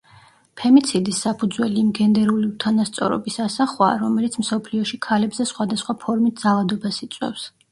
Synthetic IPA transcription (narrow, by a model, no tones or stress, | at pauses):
pʰɛmit̪sʰid̪isːapʰud̪zwɛliimɡɛnd̪ɛɾuliut̪ʰanast̪sʼɔ̰ɾɔ̰bisasaχwa̰ːɾɔmɛlit̪sʰmsɔpʰliɔʃikʰalɛbzɛsχwad̪asχwapʰɔɾmit̪̚d̪zalˠad̪ɔbasit̪sʼwɛ̰fs